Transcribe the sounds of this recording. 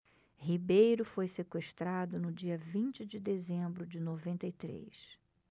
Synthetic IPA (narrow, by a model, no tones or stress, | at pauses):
hibejɾʊfojsekweʃt̪ɾad̪ʊnʊd͡ʒiɐvĩnt͡ʃɪd͡ʒɪd̪ezẽmbɾʊd͡ʒɪnovẽnt̪ɐit̪ɾḛjs